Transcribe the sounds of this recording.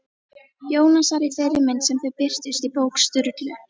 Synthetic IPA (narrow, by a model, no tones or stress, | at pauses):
joːwnasaɾiθejɾɪmɪnt̪sɛmθœpɪr̥t̪ʏst̪ipowkst̪ʏɾt̪lʏ